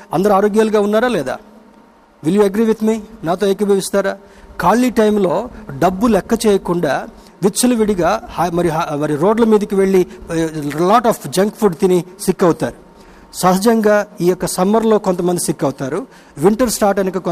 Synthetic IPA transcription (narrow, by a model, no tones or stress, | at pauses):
ɐnd̪ɐɾuaːɾoːɡjaːlɡaːunːaːɾaːlɛːd̪a̰ː | ʋiljuːɐɡɾiːʋit̪minaːt̪̬o̞ːekɐbʱɐʋist̪aːɾaː | kaːlːiːʈɐjmlo̞ːɖɐbːulɛkːɐt͡ʃeːjɐkuɳɖaː | ʋit͡ʃːɐluʋiɽiɡaːhmɐɾiɦmɐɾiɾo̞ːɖlɐmiːd̪ɐkiʋe̞ɭːi | laːʈaːpʰd͡ʒɐŋkpʰuɾɖt̪inisikːɐwut̪aːɾu | sɐɦɐd͡ʒɐŋɡaːiːjɔkːɐsɐmɐɾlo̞ːko̞nt̪ɐmɐnd̪isikːɐwut̪aːɾu | ʋiɳʈɐɾsʈaːɾʈɐnikɐk